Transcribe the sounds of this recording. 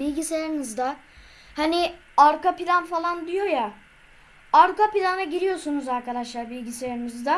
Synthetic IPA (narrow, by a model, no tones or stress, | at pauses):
bilʲɟiseɾinizd̪a | hani | aɾkapilʲanfalˠand̪ijo̞ja | aɾkapilʲanaɟiɾijo̞sunuzaɾkad̪aʃlˠaɾbilʲɟiseaɾinizd̪a